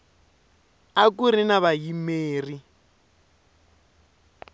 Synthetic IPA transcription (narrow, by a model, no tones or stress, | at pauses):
akuɾinaβajimeːri